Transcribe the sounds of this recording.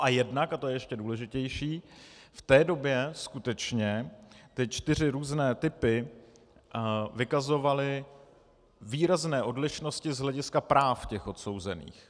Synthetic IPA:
ʔajɛdnakat̪ojɛjɛʃcɛduːlɛʒɪcɛjʃiːft̪ɛːdo̞bjɛskut̪ɛt͡ʃɲɛt̪ɪt͡ʃt̪ɪr̝ɪɾuːznɛːt̪ɪpɪ | vɪkazo̞valɪ | viːɾaznɛːʔo̞dlɪʃno̞scɪzɦlɛɟɪskapɾaːfcɛxʔo̞t̪so̞wzɛ̰nḭːx

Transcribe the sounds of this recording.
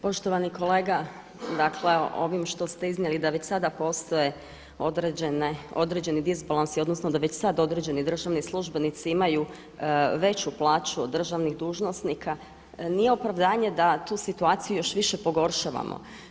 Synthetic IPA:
po̞ʃt̪o̞ʋaniko̞le̞ːɡa | d̪akʰleo̰ʋimʃt̪o̞st̪eiznjelid̪aʋet͡ɕsad̪apo̞st̪o̞je̞ | o̞d̪ɾeeneo̞d̪ɾed͡ʑe̞nid̪izbalansio̞d̪nosnod̪aʋe̞t͡ɕsad̪o̞d̪ɾed͡ʑenid̪r̩ʒaːʋnislˠuʒbe̞nit̪siimaju | ʋe̞t͡ɕuplˠaːt͡ʃuod̪ːr̩ʒaʋniɣd̪uːʒno̞snikʰa | nijeopɾaʋd̪aːɲe̞d̪at̪uːsit̪uaːt̪sijujo̞ʃʋiʃepo̞ɡo̞ɾʃaʋa̰mo̰

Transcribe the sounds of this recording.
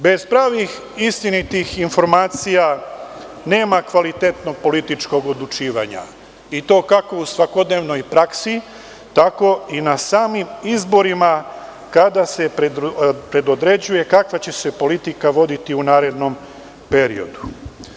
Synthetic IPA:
be̞z̥pɾaːʋix | ist̪init̪ixinfo̞ɾmaːt̪sija | ne̞ːmakʋalit̪e̞t̪no̞ɡ̚po̞lit̪it͡ʃko̞ɡod̪lˠut͡ʃiːʋa̰ɲa̰ | it̪o̞ːkako̞usʋako̞d̪ne̞ːʋno̞jpɾaksi | t̪ako̞inasaːmimizbo̞ɾima | kad̪ase̞ | pɾe̞d̪od̪ɾe̞d͡ʑuje̞kakʋat͡ɕe̞se̞po̞lit̪ikaʋo̞d̪it̪iunaːɾe̞d̪no̞m | pe̞ɾḭo̞̰d̪u

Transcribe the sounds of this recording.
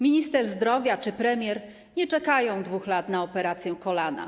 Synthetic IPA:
mʲiɲist̪ɛʐzd̪ɾɔvʲjat͡ʂɘpɾɛmʲjɛɾ | ɲɛt͡ʂɛkajɔ̃w̃d̪vuxlat̪naɔpɛɾat̪sʲjɛkɔlana̰

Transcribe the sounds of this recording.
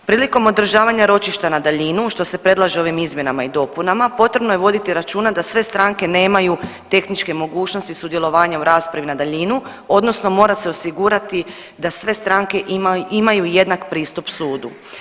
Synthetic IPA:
pɾiːliko̞mo̞d̪ɾ̩ʒaːʋaɲaɾo̞t͡ʃiʃt̪anad̪aʎinuʃt̪o̞se̞pɾe̞d̪laʒeo̞ʋimizmje̞namaid̪o̞ːpunamapo̞t̪ɾe̞bnoje̞ʋo̞d̪it̪iɾat͡ʃuːnad̪asʋe̞st̪ɾaŋke̞ne̞ːmajut̪e̞xnit͡ʃke̞mo̞ɡuːt͡ʃno̞st̪isud̪je̞lo̞ʋaːɲauɾaːspɾaʋinad̪aʎinu | o̞d̪no̞sno̞mo̞ːɾase̞o̞siɡuɾat̪i | d̪asʋe̞st̪ɾaːŋke̞ʔimimajuje̞d̪nakpɾiːst̪upsuːd̪u

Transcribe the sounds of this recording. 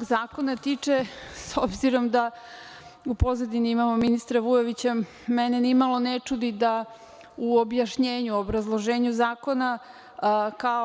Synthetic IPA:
ɡzaːko̞nat̪it͡ʂesobziɾo̞md̪a | upo̞zad̪iniimamo̞minist̪ɾaʋujo̞ʋit͡ɕa | mɛnenimalˠo̞net͡ʂud̪id̪a | uobjaʃɲeːɲuobɾazlˠo̞ʒeːɲuzaːko̞na | ka

